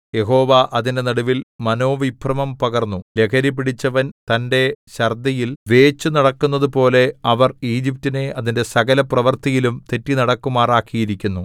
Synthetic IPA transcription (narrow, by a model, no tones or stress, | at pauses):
je̞ɦo̞ːʋaʔɐðinde̞nɐɽuʋilmɐno̞ːʋiprɐmɐmpɐɡɐrnːule̞kʰɐɾip̬ːiɽit͡ɕːɐʋɐnt̪ɐnde̞ɕɐrd̪ɐjilʋe̞ːt͡ɕːunɐɽɐkːunːɐðupo̞ːle̞ɐʋɐriːd͡ʑip̚tine̞ɐðinde̞sɐɡɐlɐprɐʋɐrt̪ijilumt̪e̞tːinɐɽɐkːumaːraːkːijiɾikʲːunːu